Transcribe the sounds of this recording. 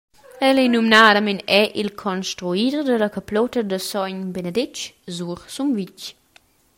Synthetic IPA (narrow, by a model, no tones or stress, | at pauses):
ɛlɛnumnadamenɛʔilkʰɔnstɾuidrd̪əlakaplɔt̪əd̪əsɔɲbenəd̪et͡ʃzuɾsumvic